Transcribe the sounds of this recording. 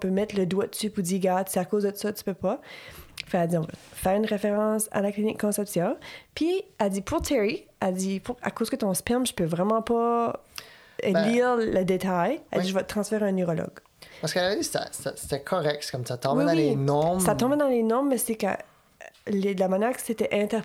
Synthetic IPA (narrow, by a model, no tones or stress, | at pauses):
ɔ̃pømɛt̪ləd̪wad̪əsypud̪iːʁɡad̪seakozd̪ət̪u̥sʌt̪y̥pøpʌ | fɛkad͡z̪iɔ̃vɑ̰fɛːʁynʁefeʁɑ̃sa̰laklinɪkʰːɔ̃sɛpsjɔ̃piad͡z̪ipʰuʁt̪ʰɛɹiad͡z̪ipuʁa̰koz̥kət̪ɔ̃spɛmʒəpøvʁɛmɑ̃pɔ | liʁləd̪et̪aja̰d͡ziʒəvɔət̪χɑ̃sfɛʁeɛ̃nyʁɔlɔ̰ɡ | paskalad̪isɛ̰sase̥t̪ɛkʰɔʁɛk̚t̪se̥kɔmt̪at̪ɔ̃bɛd̪ɑ̃wilenɔ̃msat̪ɔ̃bɛd̪ɑ̃lenɔ̃mːɛsɛkə̰ | led̪əlamanjɛːʁkə̥set̪ɛʔɛ̃t̪ɛ